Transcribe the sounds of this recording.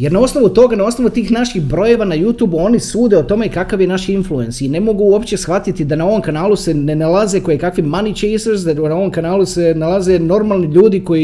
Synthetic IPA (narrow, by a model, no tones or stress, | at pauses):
je̞ɾnao̞sno̞ʋut̪o̞ɡanao̞snoʋut̪iːxnaʃiɣbɾo̞je̞ʋanajuːt̪juːbuo̞nisuːd̪e̞ot̪o̞me̞kakaʋje̞naʃinflue̞nsine̞mo̞ɡuuo̞pt͡ɕe̞sxʋat̪it̪id̪anao̞ʋo̞mkanaːluse̞nenalˠaze̞kojekakʋimanit͡ʃejseɾzd̪anao̞ʋo̞mkanaːlˠusenalˠaze̞no̞ɾmaːlˠniʎuːd̪iko̞i